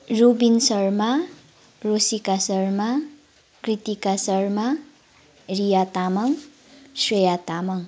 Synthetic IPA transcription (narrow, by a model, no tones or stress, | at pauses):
robinsʌrma | rosikasʌrma | krit̪ikasʌrma | rijat̪amʌŋ | swʌjat̪amʌŋ